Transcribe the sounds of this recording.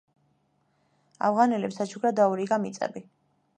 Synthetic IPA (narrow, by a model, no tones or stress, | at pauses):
a̰vʁanɛlɛpsat͡ʃʰuɡɾad̪auɾiɡamit̪sʼɛ̰bi